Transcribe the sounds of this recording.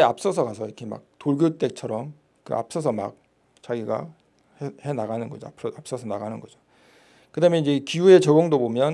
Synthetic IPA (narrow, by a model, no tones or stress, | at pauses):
eap̚s͈ʌsʰʌɡasʰʌiɾʌkʰe̞ma̰k̚toɭɡjot͈e̞k̚t͡ɕʰʌɾʌm | kɯ̰a̰p̚s͈ʌs̬ʰʌma̰k̚ | t͡ɕaɡiɡa̰ | hehe̞naɡanɯnɡʌd͡ʑoapʰɯʌap̚s͈ʌsʰʌnaɡanɯnɡʌd͡ʑo | kɯdamjʌnid͡ʑe̞kijue̞t͡ɕʌɡoŋdobomjʌn